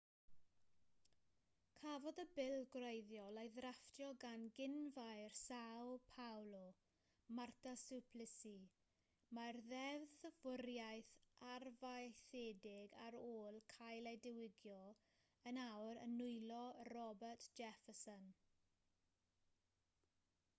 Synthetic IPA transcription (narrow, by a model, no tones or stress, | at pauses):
kʰavɔdəbɪlˠɡrejðjɔlejðraftjɔɡanɡɪnvajrsawpʰawlɔ | martʰasupʰlɪsi | marðɛvðvɪɾjajθarvajθeːdɪɡaɾoːlˠkʰajledɪwɪɡjɔ | ənawɾə̰nʊɨlɔrɔbərtʰd̥ʒ̥ɛfəsən